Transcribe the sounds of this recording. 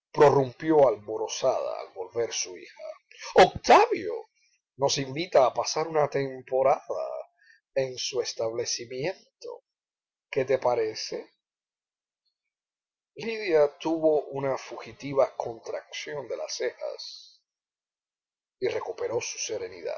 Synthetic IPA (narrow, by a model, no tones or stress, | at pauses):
pɾo̞rumpjo̞alβoɾo̞sað̞a̰a̰lβo̞lβe̞ɾsuḭha̰ | ok̚t̪aβjo̞̰ | no̞simbit̪aːpasaɾunat̪e̞mpo̞ɾaða̰ | e̞ŋsue̞st̪aβle̞simje̞nt̪o̞̰ | ke̞t̪e̞paɾe̞se | liðjat̪uβo̞ʔunafuxit̪iβako̞nt̪ɾak̚sjond̪e̞la̰se̞ha̰s | ire̞kupe̞ɾo̞su̥se̞ɾe̞nḭða̰